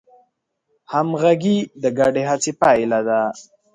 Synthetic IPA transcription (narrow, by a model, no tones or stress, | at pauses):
hamɣaɡid̪əɡaɖeɦat͡sepajlad̪a